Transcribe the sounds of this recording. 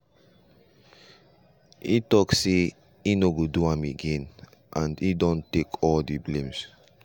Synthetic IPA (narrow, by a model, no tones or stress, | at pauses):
ḭtɔkse | inoɡoduãmeɡẽn | ʔãndidɔ̃ntekʰɔldiblẽms